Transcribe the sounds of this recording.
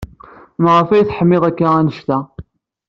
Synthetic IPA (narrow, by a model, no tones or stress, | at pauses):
mʁəfæjθħəmːɪðˤækːaænəʃt̪æ